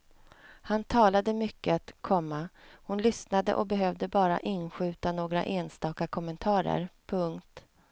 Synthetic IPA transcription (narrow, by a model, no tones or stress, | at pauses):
hant̪ʰɑːlad̪əmʏkːəat̪kʰɔmːahʊnlʏsnad̪ə̰ʔɔ̰bɛɦœvd̪əbɑːɾa̰ʔɪnɧʉ̟ːt̪anoːɡɾa̰ʔeːnst̪ɑːkakʰɔmɛnt̪ʰɑːɾə̰ɾpʰɵŋkt̪